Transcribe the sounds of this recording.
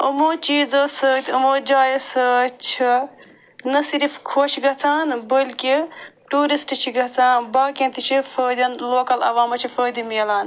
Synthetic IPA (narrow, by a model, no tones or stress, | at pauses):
əmoːt͡ʃiːd͡zosət̪ʰʲɐmoːd͡ʒaːjsət͡ʃʰi | nɐsiɾifkʰoːt͡ʃʰiɡɐt͡sʰaːnbəlkiʈuːɾisʈt͡ʃʰiɡɐɦt͡saːnbaːkĩnt̪it͡ʃʰipʰəːd̪ɐnloːkɐlɐ̰ʋaːmɐt͡ʃʰipʰəːd̪imiːlaːn